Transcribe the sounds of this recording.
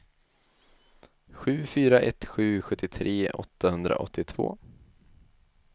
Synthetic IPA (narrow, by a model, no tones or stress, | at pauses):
ɧʉ̟ːfyːɾaʔɛt̪ɧʉ̟ːɧɵt̪ːɪt̪ʰɾeːʔɔ̰t̪ːahɵnd̪ɾa̰ʔɔ̰t̪ʰːɪt̪ʰv̥o̰ː